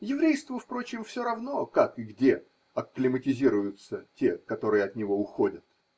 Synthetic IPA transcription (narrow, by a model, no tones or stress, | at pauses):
jɪvɾʲejst̪vʊfpɾo̞t͡ɕɪmfsʲo̞ɾɐvno̞kakɨɡdʲe̞ | ɐkːlʲɪmətʲɪzʲiɾʊjʊt̪sətʲe̞kɐt̪o̞ɾɨjəɐt̪nʲɪvo̞ʊxo̞dʲət̪̚